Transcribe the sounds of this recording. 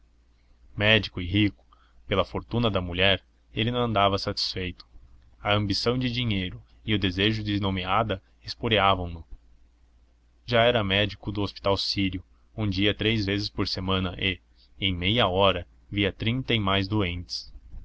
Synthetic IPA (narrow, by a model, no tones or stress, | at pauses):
mɛd͡ʒikʊɪɦikʊ̥ | pelɐfoɾt̪ũnɐd̪ɐmuʎɛɾ | elɪnɐ̃w̃ɐ̃nd̪avɐsat͡ʃi̥sfejt̪ʊ̥ | ɐɐ̃mbisɐ̃w̃d͡ʒɪd͡ʒiɲejɾʊ | ɪʊd̪ezeʒʊd͡ʒɪznomead̪ɐ | espoɾiavɐ̃w̃nʊ | ʒaɛɾɐmɛd͡ʒikʊd̪ʊospi̥t̪awsiɾiʊ | ũd͡ʒiɐt̪ɾejzvezɪspoɾsemɐ̃nɐʔɪ | ẽj̃mejɐɔɾɐ | viɐt̪ɾĩnt̪ɐɪmajzd̪uẽnt͡ʃ̪ɪ̥s